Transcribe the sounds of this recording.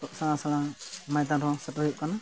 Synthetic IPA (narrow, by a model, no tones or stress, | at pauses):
t̪ɔʔsaasalamajt̪̬aɾɔ̃sɛtɔɦiʔ̚kana